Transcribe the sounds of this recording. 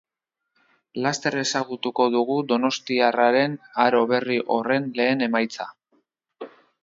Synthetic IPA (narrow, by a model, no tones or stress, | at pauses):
last̪e̞ɾe̞saɣut̪uko̞ðuɣud̪o̞no̞st̪iaraɾe̞naɾo̞βe̞riʔo̞re̞nle̞ːne̞majt͡sa